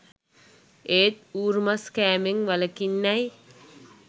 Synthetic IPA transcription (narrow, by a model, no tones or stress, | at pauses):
eːt̪̚uːɾmaskæːmeŋʋaləkinːɐj